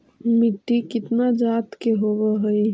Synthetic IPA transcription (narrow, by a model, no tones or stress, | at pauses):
miʈːikɪt̪nad͡ʒat̪keɦoβɛɦəj